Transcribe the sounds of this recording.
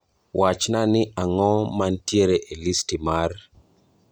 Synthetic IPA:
wʔat͡ʃnanɪʔaŋɔmantjeɾeʔelistimar

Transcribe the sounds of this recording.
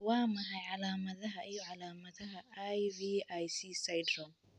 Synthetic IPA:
waːmɐɦɐjʕalaːmɐðɐɦɐʔijɔʕalaːmɐðɐɦɐʔajbiːʔajsiːsajdɾɔŋ

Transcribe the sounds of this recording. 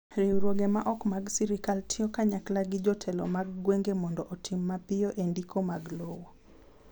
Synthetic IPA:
ɾewɾwoɡemaʔɔkmaɡsiɾikaltɪɔkaɲaklaɡɪd͡ʒɔtʰɛlɔ̰maɡɡweŋɡemɔndɔʔɔtʰimːapɪjɔʔendikomaɡlowo

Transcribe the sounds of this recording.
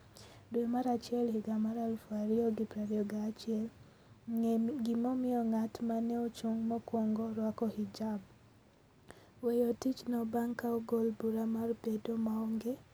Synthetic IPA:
dwemaɾat͡ʃɪɛlhiɡamaɾalfaɾɪɔɡipɾaɾjɔɡaːt͡ʃɪɛl | ɡimomɪɔŋatmanɛot͡ʃuŋmɔkwoŋɡoɾwakɔhid͡ʒab | wejotit͡ʃnɔbaŋkaoɡolbuɾamarbedomaɔŋɡe

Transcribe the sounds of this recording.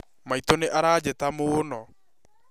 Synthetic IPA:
maitoneʔaɾaːd͡ʒɛtamonɔ

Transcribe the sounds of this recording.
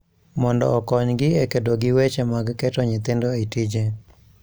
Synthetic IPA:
mɔndɔ̰ːkɔɲɡɪekedoɡɪwet͡ʃemaɡkɛtɔɲɪt̪ɪndoetid͡ʒe

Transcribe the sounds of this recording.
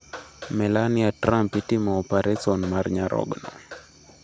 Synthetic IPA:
mɛlanɪatɾampitimɔɔpaɾɛsɔnmarɲaɾʔɔ̰ɡnɔ

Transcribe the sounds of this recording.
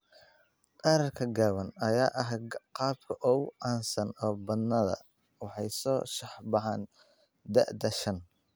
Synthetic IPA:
qɑɾɐrkʰɐɡaːwɐnɐjaːʔɐɦqɑːb̚kʰɐʔɔwʔɑːnsɐnɔːbɐd̪nɐðɐ̰ | wɑħɑjsɔːʃɑħbɑʕɑːn | d̪ɐʔd̪ɐʃɐn

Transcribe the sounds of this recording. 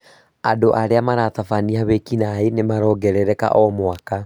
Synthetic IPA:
adoʔaɾeamaɾat̪afaniaβekinaenemaɾɔːɡɛɾɛɾɛka̰ʔɔmoaka

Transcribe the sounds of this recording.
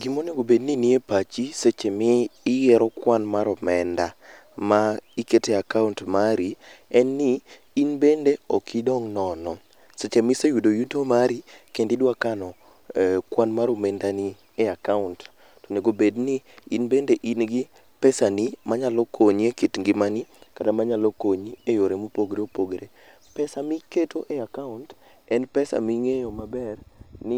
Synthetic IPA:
ɡimoneɡobedniniepat͡ʃiset͡ʃemiːjɛɾɔkwanmaɾɔmɛnda | maiketeakauntmaɾiɛnːiː | nbendeɔkʰidɔŋnɔnɔ | set͡ʃemisejudojutomaɾikendɪdwakanɔ | kwanmaɾomendani | eakaʊnt | toneɡobedniinbendeʔinɡɪ | pɛsanimaɲalɔkʰoɲekitŋɡɪmanikatamaɲalokoɲiejoɾemupoɡɾeopoɡɾe | pɛsamiketʰoʔeakaunt | ɛnpɛsa̰miŋejomabɛrnɪ

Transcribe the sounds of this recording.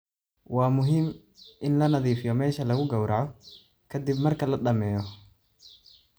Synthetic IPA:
wɑːmʊɦim | ʔɪnlɐnɐðiːfɪjɔmɛːʃɐlɐɣʊɡɐwɾɑʕɔ | kʰɐd̪ibmɐrkʰɐlɐɗɐmɛːjɔ

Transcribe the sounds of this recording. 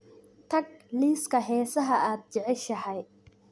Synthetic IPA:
t̪ʰɐɡ̚liːskʰɐɦɛːsɐɦɐʔaːd̪̚t͡ʃɛʕɛʃɐhɛj

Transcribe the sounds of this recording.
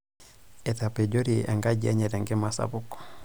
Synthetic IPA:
ɛtapɛɟoɾiʔa̰ŋɡaɟiaɲɛtaŋɡɛmasa̰bukɔ̥

